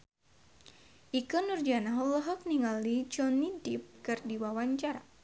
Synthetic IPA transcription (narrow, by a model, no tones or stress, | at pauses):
ʔikɔnurd͡ʒanaɦləɦɔk̚niŋalid͡ʒɔnidip̚kɨrdiwawaɲt͡ʃaɾa